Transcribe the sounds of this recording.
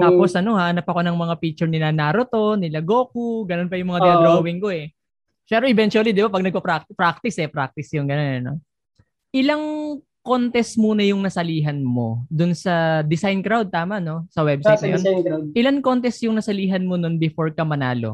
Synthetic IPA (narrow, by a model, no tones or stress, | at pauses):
t̪aːposʔɐno̞haʔɐnɐpɐko̞nɐŋmɐŋapiːk̚t͡ʃʊɹnɪnanaɾot̪o̞nɪlɐɡo̞ːkuɡɐnonpɐjʊŋmɐŋaɡ̪ɛɾowɪŋko̞ʔɛ | pɛːɾoʔɛbɛnt͡ʃuɐlid̪ɪbapɐɡ̚nɐɡ̚pɐpɾak̪̚pɾak̚t̪ɪsɛpɾak̚t̪ɪsjʊŋɡɐnonɐno̞̰ | ʔɪlaŋ | ko̞nt̪ɛsmuːnɐjʊŋnɐsɐliːɦɐnmo̞̰d̪ʊnsɐd̪ɪsajnkɾawd̪̚t̪aːmɐʔno̞sɐwɛb̚sajt̪nɐ̰jon̚ʔɪlɐŋko̞nt̪ɛsjʊŋnɐsɐliːɦɐnmononbɪfo̞ɹkɐmɐnaːlo̞̰